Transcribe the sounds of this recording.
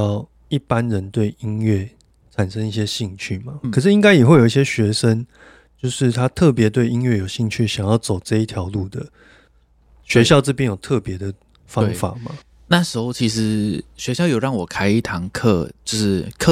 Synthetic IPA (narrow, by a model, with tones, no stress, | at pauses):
ɑ˥˨ʊ | i˥˩pa˦nɻə˨˦nt̪we˥˩ɪi˦nɥɛ˥˩ | t͡sʰa˨˩nʂə˦ŋi˥˩ɕ̬jɛ˦ɕi˥˧ŋt͡ɕʰy˥˩ma˩kʰɤ˨˩ʂ̬ɻ̩˥˩i˦ŋka˥ɪjɛ˨˩we˥˩jo˨˩ʊi˥ɕjɛ˥ɕɥɛ˧˥ʂə˦˥ŋ | t͡ɕjo˥˧ʊʂɻ̩˥˩t̪ʰa˦t̪ʰɤ˥˨˩pjɛ˧˥t̪we˥˩ɪi˦nɥɛ˥˩jo˨˩ʊɕi˥˧ŋt͡ɕʰy˥˩ɕjɑ˨˩ŋjɑ˥˩ʊt͡so˨˩ʊt͡sɤ˥˧i˥t̪ʰjɑ˧˦ʊlu˥˩d̪ə˩ | ɕɥɛ˧˦ɕjɑ˥˧ʊt͡s̩˥˧p̬jɛ˥˨njo˨˩t̪ʰɤ˥˩pjɛ˨˧˦d̪ə˨ | fɑ˦˥˦ŋfa̰˨˩˦ma˨˩ | na˥˩ʂɻ̩˧˥xo˥˧ʊt͡ɕʰi˧˥ʂɻ̩˧˦ɕɥɛ˧˦ɕjɑ˥˧ʊjo˨˩ʊɻɑ˥˩ŋwɔ˨˩kʰa˥ɪi˥˩t̪ʰɑ˧˦ŋkʰɤ̰˥˧˩t͡ɕo˥˧ʂɻ̩˥˩kʰ